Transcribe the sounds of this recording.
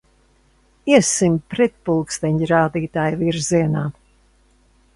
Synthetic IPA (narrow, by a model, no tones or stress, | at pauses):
iɛsimpɾɛt̪̚pulˠkst̪ɛɲɾaːd̪iːt̪aːjviɾziɛnaː